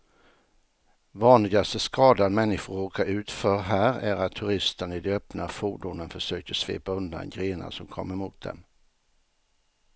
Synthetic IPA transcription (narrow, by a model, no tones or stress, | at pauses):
vɑːnlɪɡast̪əskɑːd̪ad̪mɛnːɪɧʊɾoːkaʔʉ̟ːt̪fœːɾɦæːɾæɾat̪ʰːɵɾɪst̪ənɪd̪œpnafuːɖʊnənfœʂøːkəɾsvḛːpaɵnd̪a̰nɡɾeːna̰sɔmkʰɔ̰mːəɾmuːt̪̚d̪ɛ̰m